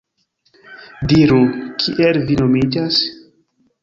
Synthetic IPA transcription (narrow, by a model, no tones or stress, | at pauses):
diɾukʰiʔelvino̞mid͡ʒas